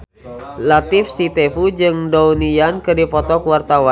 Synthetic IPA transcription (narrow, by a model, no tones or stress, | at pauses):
lat̪ifsit̪epud͡ʒɨŋdounijankɨdipɔt̪ɔkuwart̪awan